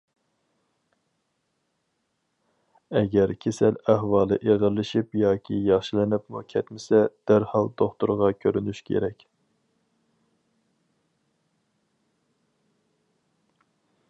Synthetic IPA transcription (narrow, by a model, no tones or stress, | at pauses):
ɛɡʲɛɾkʲʰesælæɦwɑːlˠɨ̰ʔeʁəɾlːɪʃipjɑːkʲʰijɑχʃilɪnɪpmṵkʲʰɛt̪mɪsɛd̪̥æɾhɑlˠd̪oχt̪uɾʁɑkʲʰøɾynyʃkʲʰḛɾɛkʲ